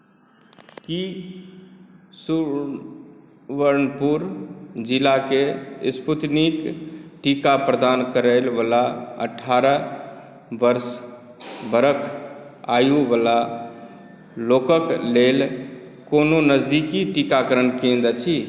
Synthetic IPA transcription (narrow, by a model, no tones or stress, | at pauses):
ki | su | ʋəɾnpuɾd͡ʒilakesput̪nikʈikapɾəd̪ankəɾəlbəlaə̰ʈʰːaɾə | bəɾs | bəɾəkʰajubəla | lokəklelkononəd͡ʒd̪ikiʈikakəɾənkẽnd̪ət͡ʃʰi